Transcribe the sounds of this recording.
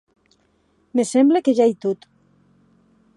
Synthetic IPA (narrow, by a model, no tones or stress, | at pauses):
mesɛmblekeʒajt̪ut̪